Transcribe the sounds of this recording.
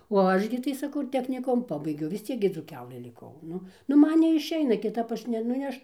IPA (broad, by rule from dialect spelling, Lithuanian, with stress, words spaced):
oː ˈɐʃ ɡʲɪ tɐɪ sɐˈkɐʊ ɪr tʲɛxʲnʲɪˈkʊmʊ ˈpɑːbɐɪɡʲɛʊ ʋʲɪs ˈt͡sʲiɛk ɡʲɪ d͡zuːˈkʲæːlˠɘ lʲɪˈkɐʊ ˈnʊ nʊ ˈmɐn nʲɛɪʃʲˈɛɪnɐ kʲɪˈtɐp ˈɐʃ nʲɛ nʊ ˈɐʃ